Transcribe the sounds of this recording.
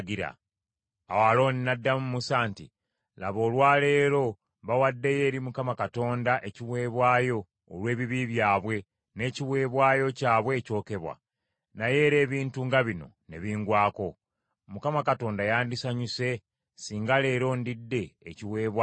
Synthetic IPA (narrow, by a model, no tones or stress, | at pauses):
ɡiɾa̰ | awalo̞ːninadːamumusaːntḭ | la̰βo̞ːlwaːle̞ːɾo̞ | βawadːe̞je̞ːɾimukamakato̞ːndaʔe̞ciβwe̞ːβwaːjo̞ː | lwe̞ːβiβiβjaːβwe̞ | ne̞ːciβwe̞ːβwaːjo̞caːβwe̞ːco̞ːke̞βwa̰ | naje̞ːɾe̞ːβiːntuŋɡaβino̞̰ne̞̰βiːŋɡwaːko̞ | mukamakato̞ːndajaːndisaɲuse̞ | siːŋɡale̞ːɾo̞ndidːe̞ːciwe̞ːβwa